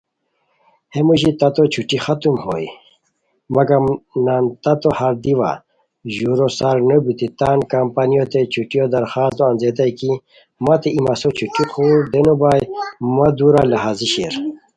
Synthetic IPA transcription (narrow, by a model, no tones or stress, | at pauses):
hemuɕit̪ɐt̪ot͡ɕʰuʈixɐt̪umho̰ːj | mɐɡɐmnaːnt̪at̪ohaɾd̪iʋa̰ | ʑuɾosaɾnobit̪it̪aːnkɐmpanijot̪et͡ɕʰuʈijod̪ɐɾxaːst̪oɐnzet̪ajki | mat̪eʔimɐsot͡ɕʰuʈixuːɾd̪enubaːjmɐd̪uɾalɐɦaːziɕeɾ